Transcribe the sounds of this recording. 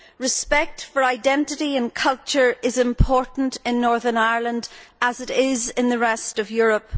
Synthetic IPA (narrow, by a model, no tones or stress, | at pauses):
ɹɨspɛk̚tfə˞aɪdɛ̃ntɪɾiə̃nkʰʌlˠt͡ʃə˞ɪzɪ̃mpʰɔɹʔn̩tɪ̃nːɔɹðə˞naɪə˞lˠə̃ndəzɪɾɪzɪ̃nðəɹɛstʌvjʊɹəp